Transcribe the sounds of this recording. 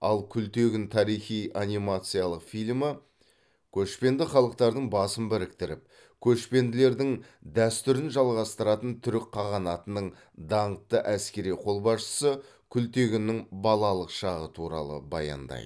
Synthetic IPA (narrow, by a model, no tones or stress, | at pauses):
ɑlˠkʲʰʏlt̪e̞ɡʲɪnt̪ʰɑɾijχijanijmɑt̪sɨjɑlˠəqfijlʲmə | kʲʰɵʃpe̞nd̪ɪχɑlˠəq̚t̪ɑɾd̪əɴbɑsəmbɪɾɪk̚t̪ɪɾɪp̚ | kʲʰɵʃpe̞nd̪ɪle̞ɾd̪ɪŋ | d̪æst̪ʏɾɪnʒɑlˠʁɑst̪əɾɑt̪ənt̪ʰʏɾɪk̚qʰːɑʁɑnɑt̪ənəɴ | d̪ɑɴət̪ːəʔæskʲe̞ɾijqʰo̞lˠbɑsʃə̥sə | kʲʰʏlt̪e̞ɡʲɪnɪŋbɑlˠɑlˠəqʃɑʁət̪ʰuɾɑ̰lˠə̰bɑ̰jɑ̰nd̪ɑ̰jd̪ə